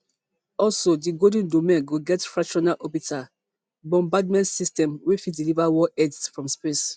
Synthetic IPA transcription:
ɔlsodiɡodə̃ndomɛ̃nɡoɡɛtfɹat͡ʃɔnalʔɔbitʰa | bɔ̃mbadmɛ̃ntsistɛ̃mwifidilivawɔʔɛdsfɹɔ̃mspes

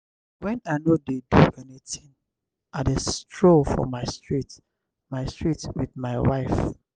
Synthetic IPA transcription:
wɛ̃naɪnodeduɛnitĩŋ | ʔadestɹofɔ̰maɪstɹit | maɪstɹitwidmaɪwaɪf

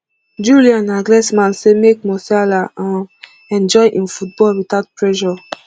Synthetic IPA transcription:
d͡ʒuliãnaɡlɛsmãnsemek̚mɔsalaãn | ɛ̃nd͡ʒɔjʔĩnfut̚bɔlwitaʊt̚pɹɛʒɔ

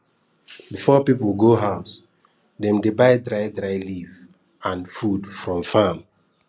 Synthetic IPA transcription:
bifɔpipəl̩ɡoɦaʊs | dɛ̃mdebaɪdɹajdɹaɪliv | ãnfudfɹɔ̃mfam

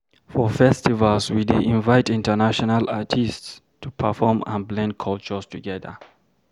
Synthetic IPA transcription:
fɔfɛstivalswideʔĩnvaɪtĩntənaʃɔnalatʰists | tʰupʰəfɔmã̰nblɛ̃nd̚kʰɔlt͡ʃəstʰuɡɛðə̰

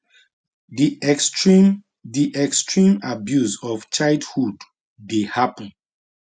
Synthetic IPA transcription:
disɹi | diʔɛkstɹĩmabjuzɔft͡ʃaɪldhudː | ehapə̃n

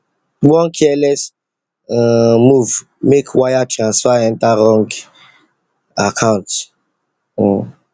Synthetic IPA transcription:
wɔ̃nkʰɛlɛs | muv | mekʰwajatʰɹãnsfaɹɛ̃ntaɾɔ̃ŋɡ | akʰãʊ̃nt

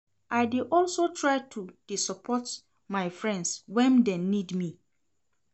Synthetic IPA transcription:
aɪdiʔɔlsotʰɹaɪtʰud̥isɔpʰɔt | maɪfɹɛ̃ndswɛ̃ndɛnĩdmĩ

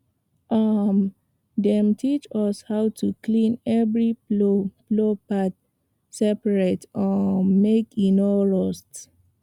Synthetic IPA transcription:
ʔam | dɛ̃mtʰit͡ʃɔshaʊtʰuklĩnɛvɹi | plopat | sɛpəɹetɔmekinɔɹɔst

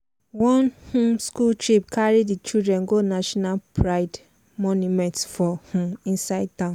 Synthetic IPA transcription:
wɔ̃nhũmskultɹip̚kʰaɹiddit͡ʃildɹɛ̃nɡonaʃɔnalpʰɹaɪd | mɔ̃njumɛ̃ntfɔhũĩnsaɪd̚tãʊ̃n

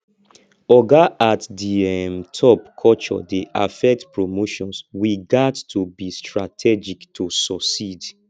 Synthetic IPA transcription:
ɔɡaatdiɛmtʰɔpkʰɔlt͡ʃɔ̰deʔa̰fɛk̚tpɹomoʃɔ̃nswiɡadtʰubistɹatʰɛd͡ʒiktʰusɔksid

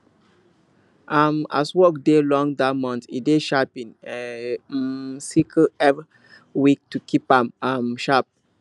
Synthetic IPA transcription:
ʔama̰swɔkdelɔ̃ŋdamɔ̃ntḭdeʃapĩnɛ | sikʰlɛv | wik̚tukʰipãmamʃap̚

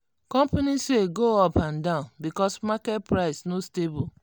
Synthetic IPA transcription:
kɔ̃mpaniseɡoɔpãndãʊ̃nbikɔsmakɛt̚pɾaɪsnostebul

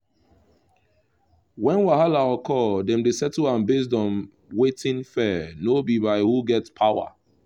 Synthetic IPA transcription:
wɛ̃nwaɦalaɔkʰɔdɛ̃mdesɛtulãnbes̬dɔ̃n | wetĩnfɛnobibaɪhuɡɛtspʰawa̰

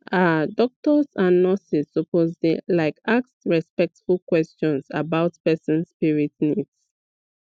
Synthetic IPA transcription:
ʔadɔk̚tɔsãnːɔsisɔpozlilaɪkaksɹɛspɛk̚tfulkwɛst͡ʃɔ̃nsabaʊtpɛsɔ̃nsːpiɹitnids

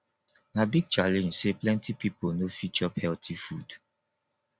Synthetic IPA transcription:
nabiɡ̚t͡ʃalɛ̃nd͡ʒseplɛ̃ntipiponofit͡ʃɔphɛltʰifud

